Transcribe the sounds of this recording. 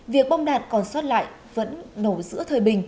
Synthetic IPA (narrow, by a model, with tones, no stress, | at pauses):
vi˨˩ək̚ɓɔ˧wŋ͡mɗaː˨˩t̚kɔ˨˩nswaː˦˥t̚la̰ː˧˨j | və̰˧˥nːo˧˩zɨ̰˧˥ət̪ʰəː˨˩jɓï˨˩ŋ̟